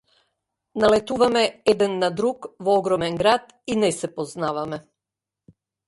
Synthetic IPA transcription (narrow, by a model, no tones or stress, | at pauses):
nalɛt̪uvamɛɛd̪ɛnːad̪ɾukvɔɔɡɾɔmɛnɡɾat̪ | inɛsɛpɔznavamɛ